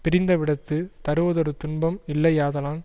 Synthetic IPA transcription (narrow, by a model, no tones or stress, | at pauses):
pɪɾɪnd̪ɐʋɪɽɐt̪ːɯt̪ɐɾɯʋɐðɔɾɯt̪ʊɳbɐmɪlːɐɪjaːðɐlaːn